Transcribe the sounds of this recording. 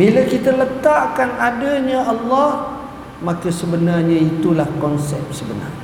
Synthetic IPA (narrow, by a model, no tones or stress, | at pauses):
bilakit̪alət̪aʔkanadəɲãʔɑlːɔh | mãkəsəbənarɲãit̪ulahkɔnsɛp̚səbəna̰